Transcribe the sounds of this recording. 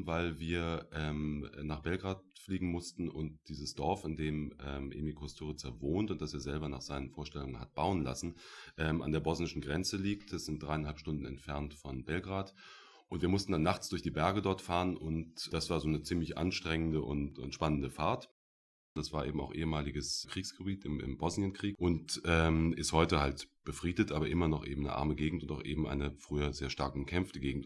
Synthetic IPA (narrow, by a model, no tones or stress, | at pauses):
vaɪlviːɐʔɛːmnaːχb̥ɛlɡʁaːtfliːɡŋ̩mʊstn̩ʔʊnt̚d̥iːzəsd̥ɔɐfɪndeːmɛ̰ːmʔḛːbmikʰɔstʰyːʁət͡sɛɐvoːntʊntd̥aseːɐzɛlbɐna̰ːχz̥aɪnənfoːɐʃtɛlʊŋənha̰t̚b̥aʊənla̰sn̩ʔɛːma̰ndeːɐbɔznɪʃn̩ɡʁɛnt͡səliːk̚td̥asz̥ɪnt̚d̥ʁaɪanɦalpʃtʊndn̩ɛ̰ntfɛɐntfɔnbɛlɡʁaːt | ʔʊntv̥iːɐmʊstn̩danːaχt͡sd̥ʊɐçd̥iːbɛɐɡədɔɐtfaːʁənʊntd̥asv̥aːɐzoːnət͡siːmlɪçʔa̰nʃtʁ̥ɛŋəndəʔʊ̰ntʊ̰ntʃpanəndəfaɐt | d̥asv̥aːɐʔeːbm̩a̰ʊxʔḛːəmaːlɪɡəskʁ̥iːksɡ̥əbiːtɪmɪ̰mbɔznjənkʁ̥iːkʔʊntʔɛːmɪsthɔʏtəhaltb̥əfʁ̥iːdətʔaːbɐʔɪmɐnɔχʔḛːbm̩nə̰ʔa̰ɐməɡeːɡŋ̩tʊntaʊxʔḛːbm̩ʔa̰ɪnəfʁ̥yːɐzeːɐʃtaɐkʊmkʰɛmftəɡeːɡŋ̩t